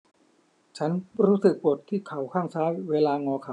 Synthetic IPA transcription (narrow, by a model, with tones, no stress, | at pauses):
t͡ɕʰa˦˥nɾuː˦˥sɯ˨˩k̚po˨˩t̪ʰːiː˥˩kʰa˩˦wkʰaː˥˩ŋsaː˦˥weː˧laː˧ŋɔː˧kʰa˨˩˦w